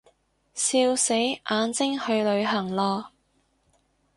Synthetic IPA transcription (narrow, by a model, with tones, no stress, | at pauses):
siː˧wse˨˥jʔaː˨˧nt͡sɪ˥ŋhɵ˧ɥlɵ˨˧ɥɦɐ˨˩ŋlɔː˧